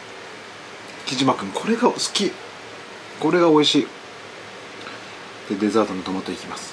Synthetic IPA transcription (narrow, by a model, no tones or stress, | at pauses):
kʲiʑimakɯ̟̃ŋkʰo̞ɾe̞ɡaosɨ̥kʲi | ko̞ɾe̞ɡao̞iɕiː | d̪̥e̞d̪e̞zaːt̪onot̪omot̪ːoikʲimasɨ̥